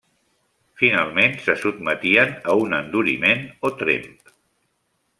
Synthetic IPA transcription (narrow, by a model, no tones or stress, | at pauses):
finalˠmensəsub̚mət̪iənəunənd̪uɾḭmenot̪ɾḛm